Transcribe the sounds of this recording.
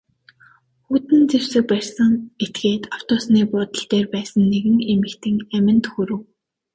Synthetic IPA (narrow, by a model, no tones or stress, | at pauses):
xut̪ɘ̆nt͡sew̥sɘ̆k̚pærʲsə̆ŋet̪ɡeːt̪aw̥t̪ʊːsniːpʊːt̪ə̆ɬt̪eːrpæːsə̆nːeɣɘ̆ŋemɘ̆kt̪ʰɘ̆ŋæmʲɪ̆nt̪xuɾɘ̆w